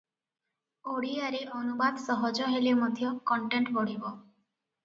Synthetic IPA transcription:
oɽiaɾeʔɔnubad̪sɔɦɔd͡ʒɔɦelemɔd̪ʱjɔkɔɳʈeɳʈbɔɽ̤ibɔ

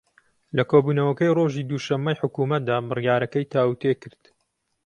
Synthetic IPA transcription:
lɐkʰoːbuːnɐwɐkɐjroːʒiːd̪uːʃɐmːɐjħʊkuːmɐt̪̚d̪aːbɨrjaːɾɐkɐjt̪ʰaːwut̪ekɨɾd̪̥

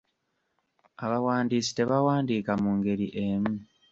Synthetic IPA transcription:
aβawaːndiːsi̥te̞βawaːndiːkamuːŋɡe̞ɾiʔemu

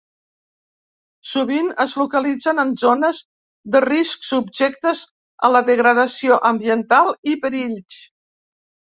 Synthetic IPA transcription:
suβ̞inəzlukəlid͡zənənzonəz | ðərisksubʒɛk̚t̪əz | ə̰ləðəɣɾəðəsioʔəmbiənt̪alˠipəɾiʎs

